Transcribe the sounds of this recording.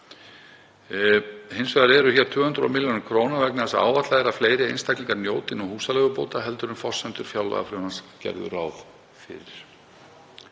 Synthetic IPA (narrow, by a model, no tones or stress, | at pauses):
hejnsvɛðaɾɛɾʏçɛɾ̥t̪ʰʏːhʏnt̪ɾɔ̰mɪljonɪkʰɾoːwnavɛknθɛsːaa̰ːwvat̪laðɪɾafleːjɾɪḛjnst̪ajkliŋkaɾnjoːwt̪ɪnɔɣhuːsalɛɣʏpoːwt̪aɦɛlt̪ʏɾʏmfɔ̥sɛnt̪ʏɾ̥fjaːwla̰ɣa̰fɾʏmanscɛ̰ɾðʏ̰raːwð | fɪ̰ɾɪɾ̥